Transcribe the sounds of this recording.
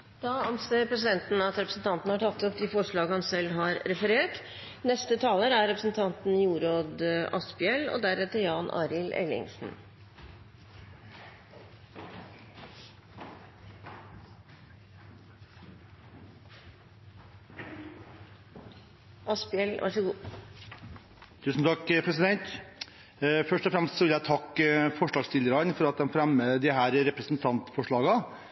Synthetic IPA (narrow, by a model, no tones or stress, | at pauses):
d̪̥ɑːɑmseːɾpʰɾɛsɪd̪ɛnt̪n̩ɑt̪ɾɛpɾəsn̩t̪ʰɑnt̪nəhɑʈʰɑt̪ːɔpd̪ɪfɔʂɭɑːɡəhɑnsɛlɦɑɾɾɛfəɾeːʈ | nɛst̪ət̪ʰɑːləɾæɾɾɛpɾəsn̩t̪ʰɑnt̪n̩juːɾoːd̪ʔɑspɪɛlɔ̰d̪æɾɛt̪əɾjɑːnʔɑ̰ːɾɪlʔɛ̰lɪ̰ŋsn̩ | ʔɑspɪɛlʋʔɑ̰ʂəɡuː | t̪ʰʉːsn̩t̪ʰɑkːpʰɾɛsɪd̪ɛnt̪ | fœʂʈɔfɾɛmst̪sɔʋɪljæt̪ʰɑkːfɔʂɭɑːɡst̪ʰɪləɾɑnfɔɾɑt̪̚d̪ɛmfɾæməd̪ɪɦæːɾɾɛpɾəsn̩t̪ʰɑnt̪fɔʂɭɑːɡɑ